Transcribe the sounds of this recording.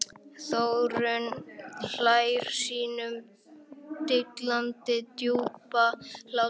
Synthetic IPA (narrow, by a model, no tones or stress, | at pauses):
θowɾʏnl̥ajɾ̥siːnʏm | t̪ɪklant̪ɪt̪juːpal̥a